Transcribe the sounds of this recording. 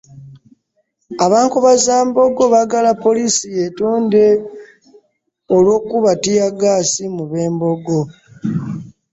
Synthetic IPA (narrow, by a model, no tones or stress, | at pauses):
aβaːŋkuβazaːmbo̞ɡo̞βaɡalapːo̞liːsijetoːnde̞ | olwo̞ːkuβatijaɡaːsimuβe̞ːmbo̞ɡo̞